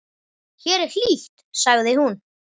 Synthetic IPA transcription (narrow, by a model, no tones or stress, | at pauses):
çɛɾɛɾ̥l̥iθt̪saɣðɪhun